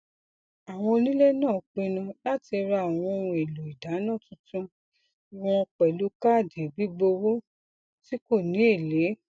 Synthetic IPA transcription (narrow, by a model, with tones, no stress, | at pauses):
a˨w̃ɔ̃˧o˧nĩ˦le˦nãː˦˨k͡pe˧nã˧la˦ti˧ɾa˧˨w̃ɔ̃˧o˧ũ˧e˨lo˨i˨da˨˦nãː˦˨tũ˨˦tũ˧ | i˨w̃ɔ̃˧k͡pɛ˨lu˨˦ka˦˨de˨bi˨˦ɡ͡bo˧wo˦ | ti˦ko˦˨nĩ˨˦e˦˨le˨˦